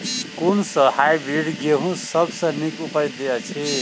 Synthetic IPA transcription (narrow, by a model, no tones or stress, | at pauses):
kunsʌhajbɾiɽɡeɦũsʌbsʌ̃nikupʌjd̪eat͡sʰe